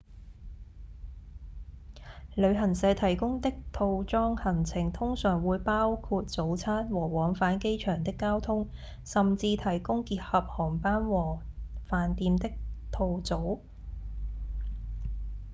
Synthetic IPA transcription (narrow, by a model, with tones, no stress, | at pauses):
lɵ˨˧ɥɦɐ˨˩nsɛː˨˧˥t̪ʰɐ˨˩jkʊ˥ŋt̪ɪ˥k̚t̪ʰo˧wt͡sɔː˥ŋhɐ˨˩nt͡sʰɪ˨˩ŋt̪ʰʊ˥ŋsœː˨˩ŋwuː˨˧jpaː˥wkʰuː˧t̚t͡so˨˥wt͡sʰaː˥nwɔː˨˩wɔː˨˥ŋfaː˨˥nke˥jt͡ʃʰœː˨˩ŋt̪ɪ˥kːaː˥wt̪ʰʊ˥ŋ | sɐ˨mt͡siː˧t̪ʰɐ˨˩jkʊ˥ŋkiː˧t̚hɐ˨p̚hɔː˨˩ŋpaː˥nwɔː˨˩faː˨˩nt̪iː˧mt̪ɪ˥k̚t̪ʰo˧wt͡so˨˥w